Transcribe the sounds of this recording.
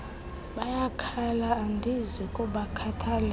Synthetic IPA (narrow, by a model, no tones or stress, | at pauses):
ɓajakʰalaːndʱizikʼuɓakʰatʰaːlɛ